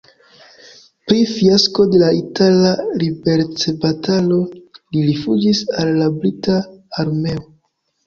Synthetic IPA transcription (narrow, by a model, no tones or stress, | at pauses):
pɾifiasko̞de̞laitalaɾibe̞ɾt͡se̞batalo̞liɾifud͡ʒisalːabɾitaːɾme̞o